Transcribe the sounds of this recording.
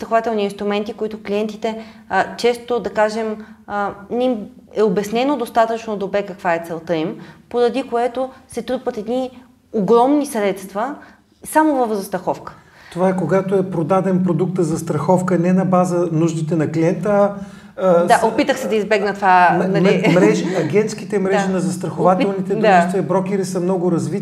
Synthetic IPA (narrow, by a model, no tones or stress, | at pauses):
st̪ɾɐxovat̪ɛlˠniːnst̪ɾumɛnt̪ikoit̪oklʲiɛnt̪it̪ɛ | t͡ʃɛst̪od̪ɐkaʒɛm | nɛim | ɛobɛsnɛnod̪ost̪at̪ət͡ʃnod̪obɾɛkɐkvaɛt̪sɛlˠt̪ɤimpoɾɐd̪ikoɛt̪osɛt̪ɾupət̪ɛd̪ni | oɡɾɔmnisɾɛt̪st̪vɐ | samovəfzɐst̪ɾɐxɔfkə̥ | t̪ovaɛkoɡat̪oɛpɾod̪ad̪ɛnpɾod̪uk̚t̪əzɐst̪ɾɐxɔfkənɛnɐbazənuʒd̪it̪ɛnɐkliɛnt̪ə | d̪aopit̪əxsɛd̪ɐizbɛɡnət̪ovaɐmlimɾɛʒiɐɡʲɛnt̪skit̪ɛmɾɛʒinɐzɐst̪ɾɐxovat̪ɛlˠnit̪ɛd̪ait̪ɛbɾɔk̟ɛɾisəmnɔɡʊɾɐzvi